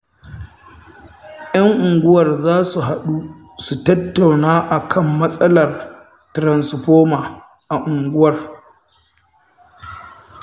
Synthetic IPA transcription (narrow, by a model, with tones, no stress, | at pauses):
jɐ˦ŋʔʊ˨ŋɡʷʊ˦wɐ˨rzaː˦su˨ɦa˨ɗu˦ | su˨tɐ˦tːa˨wnaː˦ʔa˨kʰɐ˦mːɐ˦sʼɐ˦lɐ˨r | tɾɐ˨nsɸoː˦maː˨ | ʔa˨ʔʊ˨ŋɡʷʊ˦wɐ˨r